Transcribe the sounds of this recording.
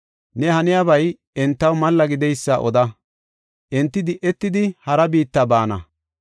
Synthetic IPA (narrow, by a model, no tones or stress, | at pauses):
nɛhɐnɪjabɐj | ʔɛnt̪ːɐwmɐlːɐɡɪd̪ɛjsːaʔɔd̪ɐ | ʔɛnt̪ːɪd̪ɪʔːɛt̪ːɪd̪ɪhɐɾɐbiːt̪ːɐbaːnɐ̰